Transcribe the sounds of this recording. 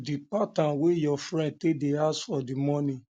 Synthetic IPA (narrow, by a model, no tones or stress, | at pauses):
dipatãnwejɔfɾɛ̃nd̚tedeasfɔdimɔnĩ